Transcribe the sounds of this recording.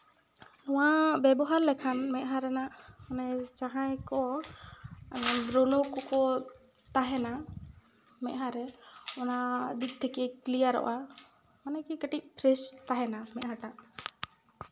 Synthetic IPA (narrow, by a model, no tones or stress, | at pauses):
lɔwabɛbɔɦaɾlɛkʰanmɛʔ̪̚ɦaɾɛnaʔɔnajt͡ʃaɦajkɔ | ɾonokɔkɔ | t̪aɦɛna | mɛ̰ʔ̚ɦaɾɛɔnad̪it̪̚t̪ʰːɛkɛklijaɾɔ̰ʔa | manɛkikəʈiʔ̚pʰɾɛst̪aɦɛnamɛt̪ɦaʈaʔ